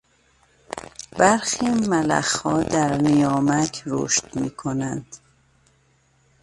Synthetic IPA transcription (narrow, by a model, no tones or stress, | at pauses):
b̥æɾxiːmælæ̰xhɒːd̪æɾnijɒːmækʰɾo̰ʃt̪miːkʰonænd̪̥